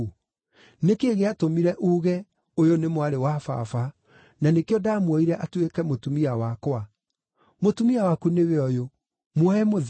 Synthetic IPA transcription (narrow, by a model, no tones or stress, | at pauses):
nekeɣeatomiɾɛʔuɣɛ | ojonemowaɾewafa̰fa | nanekeɔdaːmwɔiɾɛʔatwekɛmotumiawakwa | motumiawakuneβeɔjo | mwɔɛmoð